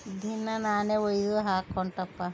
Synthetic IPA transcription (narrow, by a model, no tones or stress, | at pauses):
d̪ʱinːɐnaːneojd̪oɦaːkːɔɳʈɐpːa